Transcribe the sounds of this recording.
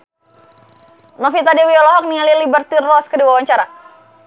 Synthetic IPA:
nɔfit̪adewiɔlɔɦɔk̚nialilibərt̪irɔskədiwawaɲt͡ʃaɾa

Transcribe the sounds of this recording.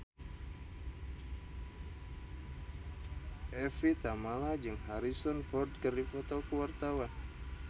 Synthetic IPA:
ʔɛfit̪amalad͡ʒɨŋɦaɾisɔnfɔrd̪̚kɨrdifɔt̪ɔkəwart̪awan

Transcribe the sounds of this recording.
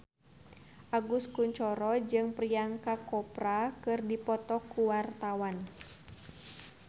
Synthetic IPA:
ʔaɡuskuɲt͡ʃɔɾɔd͡ʒɨŋpriaŋkakɔpɾakɨrdipɔt̪ɔkuwart̪awan

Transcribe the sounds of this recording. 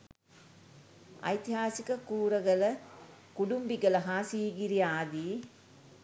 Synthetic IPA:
ɐ̰jt̪iɦaːsikəkuːɾəɡələ | kuɖumbiɡələɦaːsiːɡiɾiaːd̪iː

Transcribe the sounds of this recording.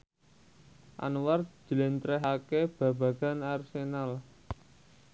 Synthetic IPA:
ʔa̰nward͡ʒ̥əlɪnt̪ɾɛɦakeb̥a̤b̥a̤ɡ̥a̤narsenal

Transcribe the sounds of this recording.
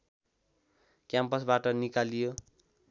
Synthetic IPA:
kjampʌsbaʈʌnikalijo

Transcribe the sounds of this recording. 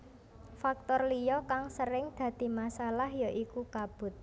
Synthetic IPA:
fak̚t̪ɔrlijɔkaŋsəɾɪŋd̪̥ä̤d̪̥i̤masalahjaʔikukab̥ʊ̤t̪̚

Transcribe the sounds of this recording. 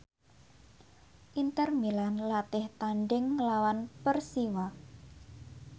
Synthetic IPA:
ʔint̪ərmilanlat̪ɪht̪aɳɖɪŋːlawanpərsiwa

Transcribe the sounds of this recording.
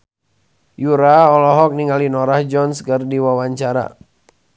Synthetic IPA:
juɾaɔlɔɦɔk̚niŋalinɔɾahd͡ʒɔnskərdiwawaɲt͡ʃaɾa̰

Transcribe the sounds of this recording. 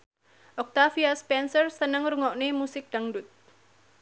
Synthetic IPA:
ʔɔk̚t̪afiaspɛnsərsənəŋɾuŋɔʔnemusɪk̚d̥aŋdut̪̚

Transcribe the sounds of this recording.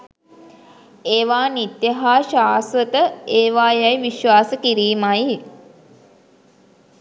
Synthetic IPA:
eːʋaːnit̪jəɦaːʃaːsʋət̪əeːʋaːjajʋiʃʋaːsəkiɾiːmaj

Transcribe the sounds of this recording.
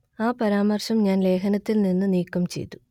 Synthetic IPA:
aːpɐɾaːmɐrɕɐmɲaːnle̞ːkʰɐnɐt̪ːilninːɨniːkːɐmt͡ɕe̞̰jt̪ːu̥

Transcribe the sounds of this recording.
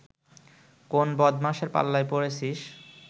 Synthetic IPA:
konbɔd̪maʃeɾpa̰lːajpoɾet͡ɕʰiʃ

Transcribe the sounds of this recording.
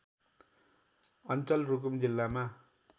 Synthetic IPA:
ʌnt͡sʌlruk̬umd͡ʑilːama

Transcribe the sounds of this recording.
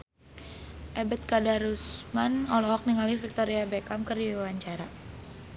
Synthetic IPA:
ʔɛbɛt̪̚kadaɾusmanɔlɔɦɔk̚niŋalifik̚t̪oɾiabɛkamkərdiwaɲt͡ʃaɾa

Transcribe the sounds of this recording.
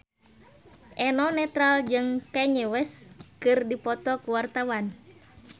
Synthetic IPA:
ʔɛnɔnɛt̪ɾald͡ʒɨŋkɛɲɛwɛskɨrdipɔt̪ɔkuwart̪awan

